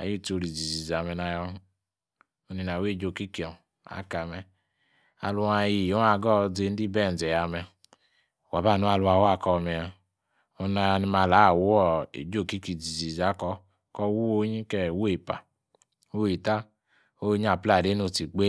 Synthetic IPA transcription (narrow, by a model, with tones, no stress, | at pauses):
a̰˨ji˦˨to˧ɾi˨d͡zi˨zi˨za˨mɛ˧na˧jɔ˧ | o˧ni˧n˨a˨we˦˨d͡ʒo˦˨ki˦ki˨ɔ˨ | a̰˨˦ka˨mɛ˧ | a̰˧lu˧˦a˧ji˧˨jo˨˦a˧˨ɡɔ˦˧d͡ze˧n̩˦di˦bɛ˦˨n̩˨zɛ˨ja˨mɛ˧˨ | wa˨ba˦˨nu˦a˧lu˧a˧˨wa˦˨kɔ˧mɛ˧a˧ | o˧na˧jɔ˧ni˧ma˧la˨˦˨wu˦ɔ˦ḛ˨d͡ʒo˦˨ki˦ki˨d͡zi˨zi˨za˨˦kɔ˧ | kɔ˧˦wu˦o˧˦ɲi˦kɛ˦˨wu˦e˨pa̰˨ | o˦i˨ta˦ | o˦ɲ˦a˨pla˦˨de˨˦no˧˨ti˨ɡ͡be˦